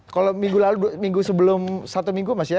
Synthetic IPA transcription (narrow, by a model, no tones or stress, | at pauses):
kalomiŋɡulaludumiŋɡusəbəlʊmsat̪umiŋɡumasija